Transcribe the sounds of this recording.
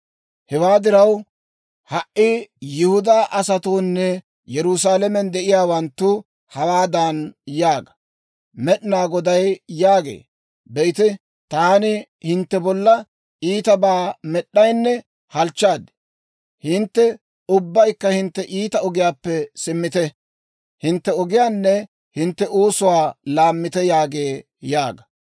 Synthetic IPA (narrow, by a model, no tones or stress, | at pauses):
hɛwaːd̪ɪɾɐw | hɐʔʔijɪhʊd̪aːʔɐsɐt̪oːnːɛ | jɛɾʊsaːlɛmɛnd̪ɛʔɪjaːwɐnt̪ːʊ | hɐwaːd̪aːnjaːɡɐ̥ | mɛɗɪnaːɡɔd̪ɐjjaːɡḛː | bɛɪt̪ɪ | t̪aːnɪ | hɪnt̪ːɛbɔlːɐ | ʔiːt̪ɐbaːmɛɗːɐjnːɛ | hɐlt͡ʃːaːd̪ɪ̥ | hɪnt̪ːɛ | ʊbːɐjkːɐhɪnt̪ːɛʔiːt̪ɐɔɡɪjaːpːɛsɪmːɪt̪ɛ | hɪnt̪ːɛɔɡɪjaːnːɛ | hɪnt̪ːɛʔoːsʊwaːlaːmːɪt̪ɛjaːɡeː | jaːɡɐ